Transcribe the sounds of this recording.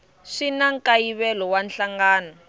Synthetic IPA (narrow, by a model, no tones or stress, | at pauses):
ʂinaŋkajiβɛlɔwanɬaŋɡaːnɔ